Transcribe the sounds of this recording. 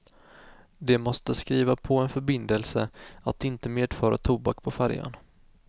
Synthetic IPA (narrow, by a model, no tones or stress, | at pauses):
d̪ɛmɔst̪əskɾiːvapʰɔɛnfœɾbɪnd̪əlsəat̪ɪnt̪əmeːd̪fɑːɾa̰t̪ʰuːbakpʰɔfæɾja̰n